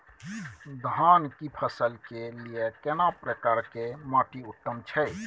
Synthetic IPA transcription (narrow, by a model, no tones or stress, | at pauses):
d̪ʱankipʰəsəlkelijekenapɾəkaɾkemaʈiut̪ːəmt͡ʃʰɛj